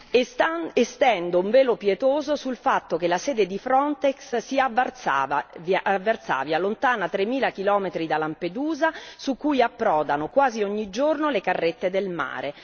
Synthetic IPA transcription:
est̪ɛnd̪ouɱvɛːlopjet̪oːzosulfat̪ːok̟elasɛːd̪ed̪ifɾɔnt̪ekssia | avːert̪sa̰ːvjalont̪aːnat̪ɾemːiːlak̟ilɔːmet̪ɾid̪alamped̪uːzasukːujapːɾɔːd̪anokwaːziɔɲːid͡ʒornolekarːet̪ːed̪elma̰ːɾe

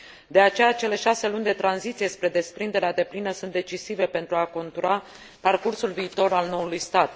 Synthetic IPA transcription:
d̪e̞at͡ʃe̞jat͡ʃe̞le̞ʃase̞lunʲd̪e̞t̪ɾanzit̪sije̞spɾe̞d̪e̞spɾind̪e̞ɾead̪e̞plinəsunt̪̚d̪e̞t͡ʃisive̞pe̞nt̪ɾuako̞nt̪uɾa | parkursulviːt̪o̞ɾalno̞ulujst̪at̪

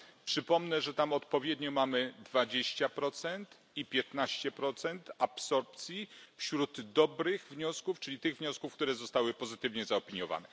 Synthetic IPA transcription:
pʂɘpɔmnɛʐɛt̪amɔt̪pɔvʲjɛd̪ɲɔmamɘd̪vad͡ʑeɕt͡ɕapɾɔt̪sɛnt̪ | ipʲjɛt̪naɕt͡ɕɛpɾɔt̪sɛnt̪apsɔɾpt̪sʲjifɕɾud̪ːɔbɾɘɣvɲɔskuft͡ʂɘlʲit̪ɘɣvɲɔskufkt̪uɾɛzɔst̪awɘpɔzɘt̪ɘvɲɛzaɔpʲiɲjɔva̰nɛ

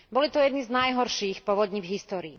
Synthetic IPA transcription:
bɔlit̪ɔjɛd̪niznajɦɔɾʃiːxpɔʋɔd̪ɲiːvɦist̪ɔːɾiː

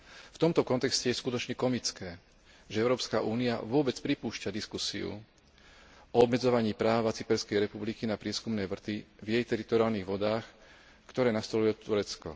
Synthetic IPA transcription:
ft̪ɔmt̪ɔkɔnt̪ɛkscɛjɛskut̪ɔt͡ʃɲɛkɔmit͡skɛː | ʒɛɛʊɾɔːpskaʔuːnia̰ʋʊɔbɛt͡spɾipuːʃcad̪iskusiṵ | ʔɔɔbmɛd͡zɔʋaɲiːpɾaːʋat͡sipɛɾskɛjɾɛpublikinapɾɪɛskumnɛːʋr̩t̪ivjɛjt̪ɛɾit̪ɔɾiaːlniːɣʋɔd̪aːx | kt̪ɔɾɛːnast̪ɔlujɛt̪uɾɛt͡skɔ̰

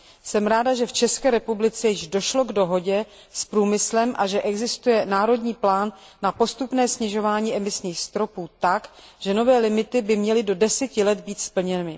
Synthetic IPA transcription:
sɛmɾaːdaʒɛft͡ʃɛskɛːɾɛpublɪt͡sɛjɪʒdo̞ʃlo̞ɡdo̞ɦo̞ɟɛ | spɾuːmɪslɛmʔaʒɛʔɛɡzɪst̪ujɛnaːɾo̞dɲiːplaːnː | apo̞st̪upnɛːsɲɪʒo̞vaːɲiːʔɛmɪsɲiːxst̪ɾo̞puːt̪akʒ̥ɛno̞vɛːlɪmɪt̪ɪbɪmɲɛlɪdo̞dɛsɛcɪlɛd̪̚biːt̪spl̩ɲɛnɪ

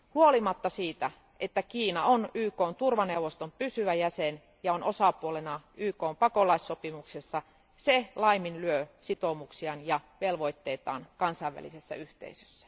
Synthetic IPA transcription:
huolimɑt̪ːɑsiːt̪æ | ʔet̪ːækiːnɑonyːkoːnt̪urʋɑneuʋost̪ompysyʋæjæsen | jɑonʔosɑpuolenɑʔyːkoːmpɑkolɑisːopimuksesːɑ | selɑiminlyøsit̪omuksiɑnjɑʋelʋo̞it̪ːeːt̪ɑ̰ːnkɑnsɑiʋʋæ̰lḭsesːæ̰yht̪ḛisø̥sːæ̥

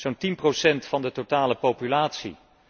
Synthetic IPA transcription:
z̥ontinprosɛntfɑndətotaːləpowpylaːtsḭ

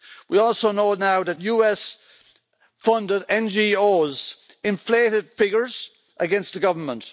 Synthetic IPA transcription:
wiɔˑlˠsoːnoːnaʊðət̚juːɛs | fʌ̃ndɪɾɛ̃nd͡ʒioːz | ɪ̃ɱfleːɾɪd̥fɪɡjə˞z̥ | ʔəɡɛ̃nst̪̚ðəɡʌvə˞mə̃nt

